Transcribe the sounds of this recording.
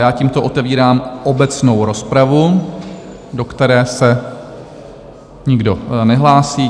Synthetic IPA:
jaːciːmt̪oʔot̪ɛviːɾaːmʔobɛt͡sno̞wɾo̞spɾavu | do̞kt̪ɛɾɛːsɛ | ɲɪɡdo̞nɛɦlaːsiː

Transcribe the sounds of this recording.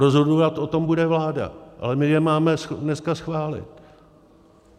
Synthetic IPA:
ɾozɦoduvat̪ʔot̪o̞mbudɛvlaːda̰ʔa̰lɛmɪjɛmaːmɛsdnɛskasxvaːlɪ̰t̪

